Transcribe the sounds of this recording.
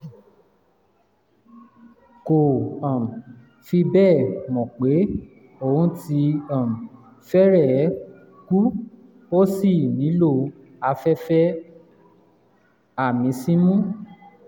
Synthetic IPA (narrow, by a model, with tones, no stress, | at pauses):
ko˨ã˨m˨ | fi˧bɛ˦˨mɔ̃˨k͡pe˨˦ | o˦˨hũ˧˦ti˧ã˦˨m̩˨ | fɛ˦ɾɛ˦˨˦ | ku˦ | o˦si˦˨nĩ˨˦lo˦˨ | a˧fɛ˦fɛ˦ | a˦˨mĩ˨˦sĩ˦mũ˦